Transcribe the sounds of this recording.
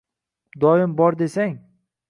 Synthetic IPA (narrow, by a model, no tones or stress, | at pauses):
d̪ɒɪmbɒɾd̪e̞saŋ